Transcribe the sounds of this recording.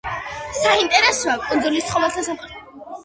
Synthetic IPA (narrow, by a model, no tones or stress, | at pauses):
saint̪ʼɛɾɛsɔakʼɔnd̪zɔlist̪sχɔvɛlˠt̪ʰasamʼ